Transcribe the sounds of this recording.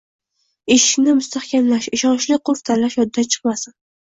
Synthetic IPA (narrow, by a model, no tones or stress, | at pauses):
eʃɪ̥kʲnɪmʊst̪ahkʲamlaʃɪʃɒnt͡ʃlɪqʰʊft̪ʰaɾlaʃjɒd̪̚d̪at͡ʃʰɨ̥qmasɪn